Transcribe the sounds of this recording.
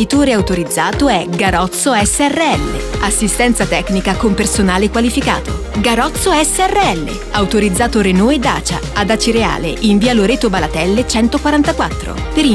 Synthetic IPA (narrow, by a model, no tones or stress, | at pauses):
it̪oːɾeawt̪oɾid̪zːaːt̪oɛɡaɾɔt̪soɛsːeɛrːeɛlːḛasːist̪ɛnt̪sat̪ɛkːnikakompersonaːlekwalifika̰ːt̪o | ɡaɾɔt̪sːoɛsːeɛrːeɛlːḛ | awt̪oɾid̪zːaːt̪oɾenɔed̪ːa̰ːt͡ʃa̰ | ad̪at͡ʃiɾea̰ːlḛʔiɱviːaloɾeːt̪obalat̪ɛlːet͡ʃɛnt̪okwaɾant̪akwat̪ːɾo̰peɾi